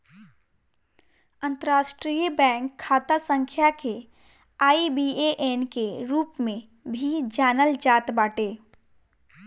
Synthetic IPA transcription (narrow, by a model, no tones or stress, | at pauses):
ə̃nt̪əɾaːʃʈɾijbɛ̃ːŋkʰːaːt̪asə̃ŋkʰjake | aːibieʔeːnkeɾuːpmẽ | bʱid͡ʒaːnəld͡ʒaːt̪baːʈeː